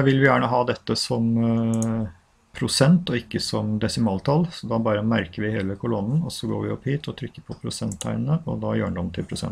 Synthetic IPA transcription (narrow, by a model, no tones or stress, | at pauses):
ʋɪlʋɪjæːɳəɦɑːd̪ɛt̪ːəsɔm | pʰɾʊsɛnt̪ɔɪkːəsɔmd̪ɛsɪmɑːlt̪ʰɑlsɔd̪ɑbɑːɾəmæɾkəɾʋɪheːləkʰʊlɔnn̩ɔsːɔɡo̰ːɾʋɪɔpːhiːt̪ʰɔt̪ʰɾʏkːəɾpʰɔpʰɾʊsɛnt̪ʰːæ̰ɪnənəɔ̰d̪ɑjø̰ːəɳd̪ɔmt̪ʰɪlpʰɾʊsɛ̰n